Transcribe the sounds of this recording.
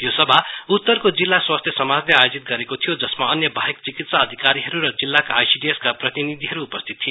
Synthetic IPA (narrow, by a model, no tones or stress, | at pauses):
josʌbʱaut̪ːʌrkod͡zilːaswast̪ʰjʌsʌmad͡zleajod͡zit̪̚ɡʌɾekot̪ʰijod͡zʌsmaʌnjʌbʱaɦekt͡sikit̪saːd̪ʱikaɾiɦʌɾuɾʌd͡zilːakaːjsiɖieskaprʌt̪inid̪ʱiɦʌɾuːpʌst̪ʰit̪ʰːi